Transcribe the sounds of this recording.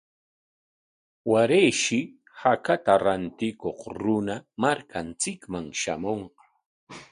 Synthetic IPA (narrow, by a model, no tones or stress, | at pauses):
waɾejʃɪ | hakat̪aɾant̪ɪkoχɾʊnamaɾkʰant͡sɪkmaŋʃa̰moɴqɑ̥